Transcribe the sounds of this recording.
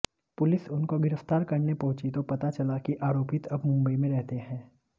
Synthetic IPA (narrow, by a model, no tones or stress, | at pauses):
pʊlɪsʊnkoɡɪɾəft̪aːɾkɐɾnepɐɦʊ̃t͡ʃit̪opɐt̪at͡ʃɐlakiʔaːɾoːpɪt̪ɐbmʊ̃mbəimẽɾɛɦt̪eɦɛ̃ː